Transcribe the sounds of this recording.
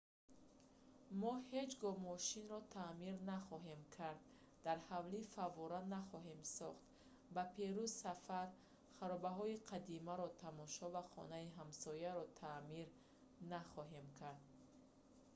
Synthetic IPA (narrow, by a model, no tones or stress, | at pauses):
mɔhe̞d͡ʒɡɔmɔʃinɾɔt̪ʰamiɾnaχɔɦemkʰaɾd̪̚ː | aɾhavlifavɔɾanaχɔɦemsɔχt̪ | bapʰeɾuzsafaɾ | χaɾɔbaɦɔiqʰad̪imaɾɔt̪ʰamɔʃɔvaχɔ̰naiɦamsɔjaɾɔt̪ʰamiɾ | naχɔɦe̞mkʰaɾd̪